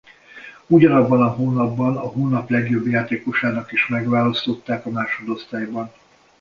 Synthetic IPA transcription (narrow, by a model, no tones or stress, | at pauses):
uɟɒnɒbːɒnɒɦoːnɒbːɒnɒɦoːnɒplɛɡjo̞bjaːt̪eːko̞ʃaːnɒkiʃmɛɡʋaːlɒst̪o̞t̪ːaːkɒmaːʃo̞d̪o̞st̪aːjbɒn